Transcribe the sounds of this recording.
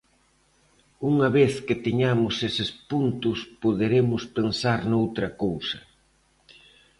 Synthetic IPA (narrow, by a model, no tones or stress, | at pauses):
uŋɐβeθkɪt̪eɲamʊsesɪspunt̪ʊspoðeɾemʊspensaɾnowt̪ɾɐkowsɐ